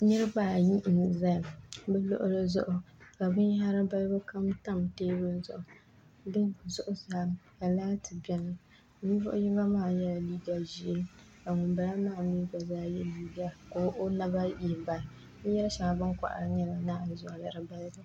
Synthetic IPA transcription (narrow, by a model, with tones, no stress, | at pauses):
ɲɨ˦ɾɨ˦baː˦˨ji˦ʔn˨za˦˨bɛ˦lʊ̰˦ʔʊ˦lɨ˦zʊ̰˦ʔʊ˨ | ka˨bɨ˦n˦ɦa˦ɾɨ˦ba˦lbɨ˦ka˦mta˦mteː˦bɨ˦n˦zʊ̰˦˨ʔʊ˨ | dɨ˦˨zʊ˦ʔʊ˦zaː˨˦ja˨laː˦tɨ˨bɛ˦nɨ˨ | ni˦vʊ̰˦ʔʊ˦ji˦ba˦maː˦˨jɛ˦la˨liː˦ɡa˨ʒi˨e˦ | a˨ŋʊ˨mba˨la˦maː˦˨mi˦ba˨zaː˦jɛ˦liː˦ɡa˨ko˨˦ʔo˦na˦ba˦ji˨ba˨˦ | jɛ˦lʃa˨ŋa˨bɨ˦ŋkʷa̰˨ʔa̰˨ɾɨ˦ɲɛ˦la˨˦naː˦˨zʊ˨a˨la˨ɾɨ˦ba˦lbɨ˦